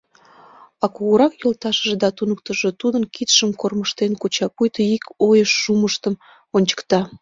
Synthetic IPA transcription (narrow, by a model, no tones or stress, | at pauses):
ɑkuɣəɾɑkjolt̪ɑʃəʒed̪ɑt̪unəkt̪əʒet̪ud̪ənkit̪ʃəmkorməʃt̪enkut͡ɕɑpujt̪əikojəʃːuməʃt̪əm | onʲt͡ɕə̥kt̪ɑ